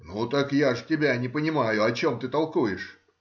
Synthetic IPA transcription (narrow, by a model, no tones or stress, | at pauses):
nut̪akjaʐtʲɪbʲanʲɪpənʲɪmajʊɐt͡ɕomt̪ɨt̪ɐlˠkujɪʂ